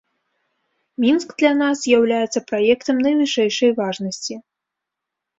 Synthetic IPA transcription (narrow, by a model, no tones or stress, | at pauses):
mʲinskd̪lʲɐnaszʲjawlʲajɛt̪sːɐpɾajɛkt̪ɐmnɐjvɨʂɛjʂɐjvaʐnɐsʲt͡sʲi